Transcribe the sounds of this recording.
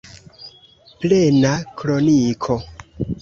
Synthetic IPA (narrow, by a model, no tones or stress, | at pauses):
plenakɾonikʰo